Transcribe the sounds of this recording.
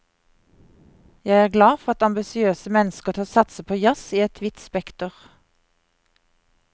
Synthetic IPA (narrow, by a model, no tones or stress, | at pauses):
jæɪæːʁɡlɑːfɔʁɑt̪ɑmbɪsɪøːsəmɛnəskəʁt̪ʰoːsɑt̪səpʰoːjɑsiːɛt̪ʰʋɪt̪spɛkt̪ʊʁ